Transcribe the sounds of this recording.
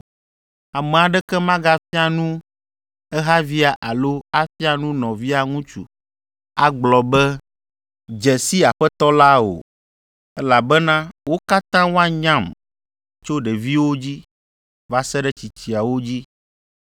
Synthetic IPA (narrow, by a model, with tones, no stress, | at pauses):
a˨mɛ̃˨a˨ɖɛ˦kɛ˦mã˦ɡa˦fi˦a˨nũ˦ | ɛ˦ɦa˦vi˦a˨ʔa˨lo˦a˦fi˦a˨nũ˦nɔ̃˨vi˦a˨ŋũ˦t͡ʃṵ˨ | a˨ɡ͡blɔ˨bɛ˦ | d͡ʒɛ˨si˦a˨ɸɛ˦t̪ɔ˦la˦o̰˨ | ɛ˦la˨bɛ˦nã˦wo˦ka˦t̪ã˦wo˦a˦ɲã˦˨m | t͡ʃo˦ɖɛ˨vi˦wo˦d͡ʑi˦ | va˦sɛ˦ɖɛ˦t͡ɕi˨t͡ɕi˨a˨wo˦d͡ʑi˦